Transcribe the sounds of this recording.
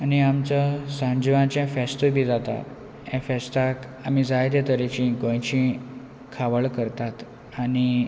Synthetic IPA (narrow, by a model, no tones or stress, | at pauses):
aniamt͡sasãɲd͡ʑʋãt͡ɕɛ̃fɛst̪əbʱid͡zat̪a̰ | ɛ̃fɛst̪ak | am̤id͡zajd̪et̪əɾet͡ɕĩɡə̃jt͡ɕĩ | kʰaʋəɭkəɾt̪at̪ | ani